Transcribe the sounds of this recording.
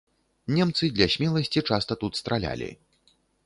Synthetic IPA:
nʲɛmt̪sɨd̪lʲɐsʲmʲɛlˠɐsʲt͡sʲit͡ʂast̪ɐt̪ut̪st̪ɾalʲa̰lʲḭ

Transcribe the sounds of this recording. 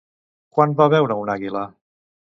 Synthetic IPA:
kwanbaβɛwɾəunaɣilə

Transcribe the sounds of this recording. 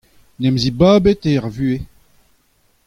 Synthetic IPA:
nɛmzibaːbet̪eʁvyːe

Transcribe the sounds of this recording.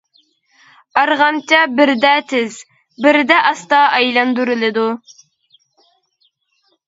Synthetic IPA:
ɑɾʁɑmt͡ʃʰɛbɪɾd̪ɛt̪ʰɪz | bɪɾd̪ɛʔɑst̪ɑɑjlˠɑnd̪uɾɪlɪd̪u

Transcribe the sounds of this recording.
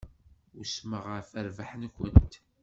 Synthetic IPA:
ʊsməʁəɾfəɾvaħnkʷə̰nt̪

